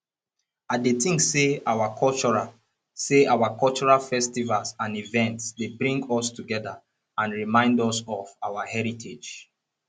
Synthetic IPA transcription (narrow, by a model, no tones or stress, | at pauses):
adetĩŋkseawakʰɔlt͡ʃɔɹa | seawakɔlt͡ʃɔɹalfɛstivalsãnivɛ̃ntsdebɹĩŋɡɔstuɡɛða | ãnɹimãɪ̃ndɔsɔvawahɛɹitʰed͡ʒ